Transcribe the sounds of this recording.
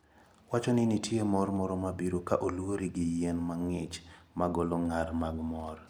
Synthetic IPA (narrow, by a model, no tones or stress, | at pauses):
wat͡ʃɔnɪnitjemɔrmɔɾɔmabiɾokaʔolwoɾiɡɪjɛnmaŋɪt͡ʃmaɡɔloŋarmaɡmɔr